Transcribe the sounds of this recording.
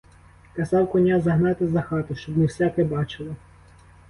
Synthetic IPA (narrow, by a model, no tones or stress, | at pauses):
kɐzɑwkɔnʲazɐɦnɑt̪ɪzɐxɑt̪ɔʃt͡ʃɔbmɪwsʲɛkɛbɑt͡ʃɪlˠɪ